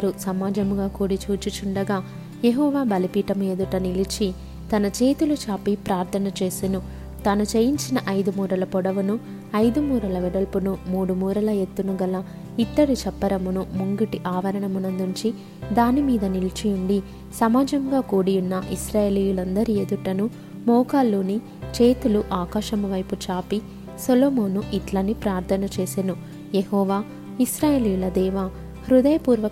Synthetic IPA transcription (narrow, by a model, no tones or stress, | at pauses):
ɐɾusɐmaːd͡ʒɐmuɡaːkuːɽit͡ʃuːt͡ʃut͡ʃuɳɖɐɡaː | jeɦɔːʋaːbɐlipiːʈɐmujed̪uʈɐnilit͡ʃi | t̪ɐnɐt͡ʃe̞ːt̪ulut͡ʃaːpipɾaːɾt̪ʰɐnɐt͡ʃe̞ːsinu | t̪ɐnut͡ʃejiɲt͡ʃinɐʔɐjd̪umuːɾɐlɐpɔɽɐʋunu | ɐjd̪umuːɾɐlɐʋɛɽɐlpunumuːɽumuːɾɐlɐjet̪ːunuɡɐlɐ | it̪ːɐɽit͡ʃɛpːɐɾɐmunumuŋɡiʈiʔaːʋɐɾɐɳɐmunɐnd̪uɲt͡ʃi | d̪aːnimiːd̪ɐnilt͡ʃijuɳɖi | sɐmaːd͡ʒɐŋɡaːkuːɽijunːɐʔisɾaːjeːlijulɐnd̪ɐɾied̪uʈːɐnu | mɔːkaːlːuːni | t͡ʃeːt̪uluʔaːkaːʃɐmuʋɐjput͡ʃaːpi | soloːmoːnuʔiʈlɐnipɾaːɾt̪ʰɐnɐt͡ʃe̞ːsenu | jeɦɔːʋaː | isɾaːjeːlijulɐd̪ɛːʋa | hɾud̪ɐjɐpuːɾʋɐ